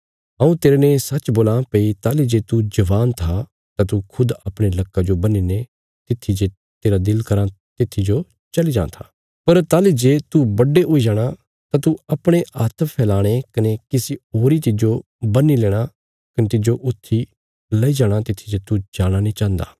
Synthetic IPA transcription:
ɐũt̪eːɾenesɐt͡ʃboːlaːpeːit̪aːlid͡ʒeːt̪ud͡ʒɐʋaːnt̪ʰa | t̪at̪ukʰʊd̪ɐpɽ̃elɐkːad͡ʒobɐnine | t̪ɪt̪ʰːid͡ʒe | t̪eːɾad̪ɪlkɐɾã | t̪ɪt̪ʰːid͡ʒo | t͡ʃɐlid͡ʒã̰ːt̪ʰaː | pɐɾt̪aːlid͡ʒeːt̪ubɐɖːeʔoːid͡ʒaːɽ̃a | t̪at̪uɐpɽ̃eʔaːt̪ʰpʰɛːlaːɽ̃ekɐnekɪsioːɾit̪ɪd͡ʒo | bɐnːileːɽ̃a | kɐnet̪ɪd͡ʒoʔʊt̪ʰːi | lɐid͡ʒaːɽ̃at̪ɪt̪ʰːid͡ʒet̪ud͡ʒaːɽ̃anĩt͡ʃãːnd̪a̰ː

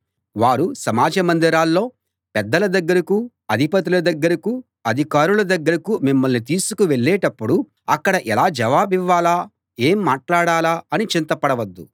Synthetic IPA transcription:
ʋaːɾusɐmaːd͡ʒɐmɐnd̪ɐɾaːlːo̞ː | pɛd̪ːɐlɐd̪ɐɡːɐɾɐku | ɐd̪ʱipɐt̪ilɐd̪ɐɡːɐɾɐku | ɐd̪ʱikaːɾulɐd̪ɐɡːɐɾɐkumimːɐlnit̪iːsukuʋeɭːɛːʈɐpːuɽu | ɐkːɐɽɐʔɛlaːd͡ʒɐʋaːbiʋːaːlaː | eːmːaːʈlaːɽaːlaːɐnit͡ʃint̪ɐpɐɽɐʋɐd̪ːu

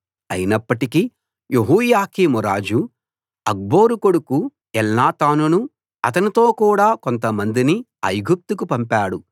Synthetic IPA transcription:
ɐjinɐpːɐʈiki | jeɦuːjaːkiːmuɾaːd͡ʒu | ɐɡ̚bo̞ːɾuko̞ɽuku | ɛlnaːt̪aːnunu | ɐt̪̬ɐnit̪o̞ːkuːɽaːko̞nt̪̬ɐmɐnd̪ini | ɐjɡup̚t̪ukupɐmpaːɽu

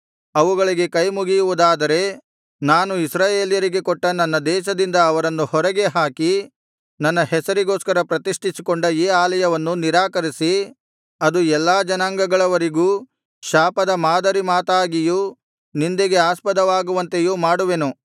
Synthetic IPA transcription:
ɐʋuɡɐɭiɡe̞kɐjmuɡijuʋud̪aːd̪ɐɾe̞ | naːnuisɾaːjeːljɐɾiɡe̞kɔʈːɐnɐnːɐd̪ɛːʃɐd̪ind̪ɐːʋɐɾɐnːuhɔɾɐɡe̞ɦaːki | nɐnːɐɦɛsɐɾiɡoːskɐɾɐpɾɐt̪iʂʈʰisikoɳɖɐiːaːlɐjɐʋɐnːuniɾaːkɐɾisi | ɐd̪uɛlːaːd͡ʒɐnaːŋɡɐɡɐɭɐʋɐɾiɡuː | ʃaːpɐd̪ɐmaːd̪ɐɾimaːt̪aːɡiju | nind̪eɡe̞aːspɐd̪ɐʋaːɡuʋɐnt̪e̞juːmaːɽuʋe̞nu

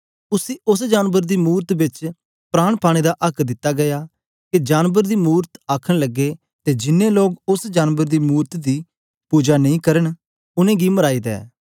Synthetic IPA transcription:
ʊsiːʔʊsd͡ʒaːnbəɾd̪iːmuːɾt̪bɪt͡ʃ | pɾaːɽ̃pʰaːɽ̃ed̪aʔɐkʰd̪ɪt̪ːaɡɐjaː | ked͡ʒaːnbəɾd̪iːmuːɾt̪aːkʰəɽ̃ləɡːe | t̪ed͡ʒɪnːẽloːɡʊsd͡ʒaːnbəɾd̪iːmuːɾt̪d̪iː | puːd͡ʒaːnɐĩkɐɾən | ʊnẽːɡiməɾaːiːd̪ɛ̰ː

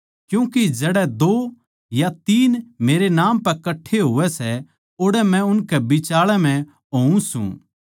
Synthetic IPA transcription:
kjũːkid͡ʒɛɽɛd̪oː | jat̪iːnmeːɾenaːmpɛɾkɐʈʰːeɦoːʋɛsɛ | oːɽɛmɛ̃ʊnkɛbɪt͡ʃaːɭɛm̤ɛ̃ | ɦoːũsṵ̃

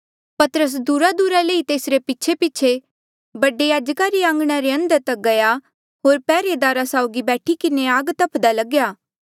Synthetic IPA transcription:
pɐt̪əɾəs̬d̪uːɾad̪uːɾaleːit̪eːsɾepɪːt͡ʃʰepɪːt͡ʃʰe | bɐɖejaːd͡ʒkaɾiãːŋɡɽ̃aɾeɐ̃nd̪əɾt̪ɐk̚ɡɐja | ɦoːɾpɛːɾed̪aːɾasaːʊɡibɛːʈʰikɪneaːɡt̪ɐpʰd̪alɐɡjaː

